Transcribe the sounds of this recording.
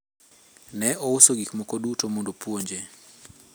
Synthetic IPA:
nɛɔʊsoɡikmɔkodutomondopwoɲd͡ʒe

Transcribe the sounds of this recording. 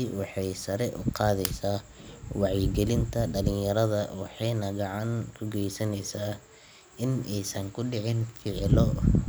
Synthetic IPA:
iwɑħɑjsɐɾɛʔʊqɑːðɛjsaːwɑʕjɪɡɛlɪnt̪ʰɐɖɐlɪŋjɐɾɐðɐwɑħɑjnɐɡɑʕɑnkʰʊɡɛjsɐnɛjsaː | ɪnɛjsɐŋkʰʊɖɪʕɪnfɪʕlɔ

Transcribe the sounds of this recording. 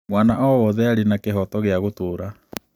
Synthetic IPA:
mwaːnaʔɔwɔðɛaɾinakeɦɔtɔɣeaɣotoːɾa

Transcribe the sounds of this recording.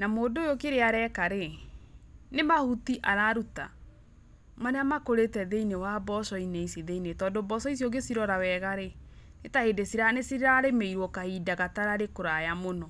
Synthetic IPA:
namoːdoːjokeɾeaɾɛkaɾe | nemahutiʔaɾaɾuta | maneamakoɾetɛðeinewabɔsɔineisiðeinetɔːdobɔsɔisjɔɡesiɾɔɾawɛɣaɾenetaheːdesiɾanesiɾeɾaɾemeiɾwɔkahidaɣataɾaɾekoɾajamonɔ

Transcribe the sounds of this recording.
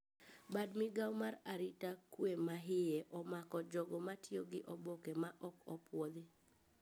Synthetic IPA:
badmɪɡawmaɾaɾɪtakwemaɦɪeʔɔmakɔd͡ʒɔɡɔmatʰioɡɪʔɔbokemaʔɔkɔpwod̪ɪ

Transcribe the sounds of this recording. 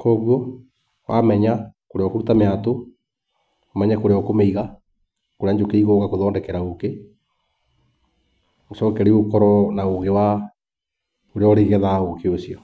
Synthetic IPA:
kɔːɣwɔ | wa̰mɛɲakoɾeɔkoɾutameato | omɛɲakoɾeɔkomeiɣa | koɾeaɲd͡ʒokeiɣɔɣakoðɔːndɛkɛɾaoke | osɔːkɛɾeokɔɾɔnaoɣewa | oɾeɔɾeɣɛðaokeosiɔ

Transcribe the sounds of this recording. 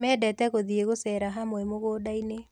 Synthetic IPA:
mɛːdɛtɛɣoðieɣosɛɾaɦamwɛmoɣoːdaine

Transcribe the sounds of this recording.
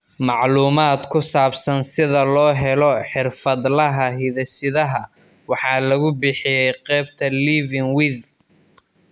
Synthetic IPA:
mɑʕluːmaːd̪kʰʊsaːbsɐnsɪðɐlɔːɦɛlɔħɪrfɐd̪lɐɦɐɦɪðɐsɪðɐɦɐ | wɑħɑːlɐɣʊbɪħɪjɛjqɛːbt̪ʰɐliːvɪŋwɪð

